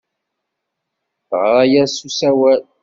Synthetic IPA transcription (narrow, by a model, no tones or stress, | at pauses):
θʁɾˤajæsusæwæl